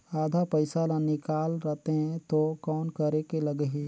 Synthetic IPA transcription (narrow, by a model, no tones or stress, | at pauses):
aːd̪ʱapəɪsalãnɪkaːlɾɛt̪eɦɛ̃t̪okɔːnkəɾekeləɡəɦi